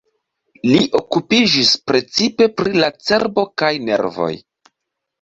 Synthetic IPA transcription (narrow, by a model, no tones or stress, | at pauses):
liʔo̞kupid͡ʒispɾe̞t͡sipe̞pɾilat͡se̞ɾbo̞kajne̞̰ɾvo̞̰j